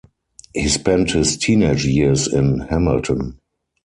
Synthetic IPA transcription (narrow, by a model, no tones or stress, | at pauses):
hiːspɛ̃nthɪstʰiːneɪd͡ʒjɪəsɪ̃nhæmɪltʰə̃n